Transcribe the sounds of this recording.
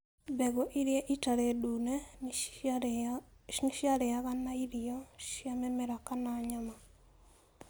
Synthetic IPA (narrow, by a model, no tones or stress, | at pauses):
bɛɡoʔiɾjeʔitaɾedunɛ | niʃjaɾɛaɣanːaiɾioʃjamɛmɛɾakanaɲama